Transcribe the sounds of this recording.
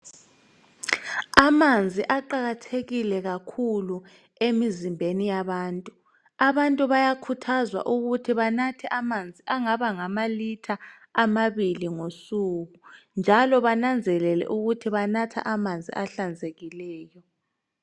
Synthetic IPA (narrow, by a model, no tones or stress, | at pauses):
amand͡zʱiʔaǃaɣatʰeɣilɛɣakʰulu | emizimbʱenijaβaːntʼu | aβantʼuβajakʰutʰazwa̰ʔuɣutʰiβanatʰɛʔamand͡zʱiʔaŋaβaŋamalitʰaː | maβiliŋosuɣund͡ʒʱalɔβanand͡zʱɛlɛlɛ̰ʔuɣutʰiβanatʰa̰ʔamand͡zʱḭʔaɬand͡zʱeɣilɛːjɔ